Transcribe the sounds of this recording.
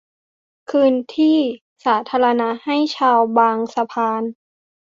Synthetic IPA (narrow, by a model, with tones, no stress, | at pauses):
kʰɯː˧nt̪ʰiː˥˩ | saː˩˦t̪ʰaː˧la˧na˦˥ha˥˩jt͡ɕʰaː˧wbaː˧ŋsa˧pʰaː˧n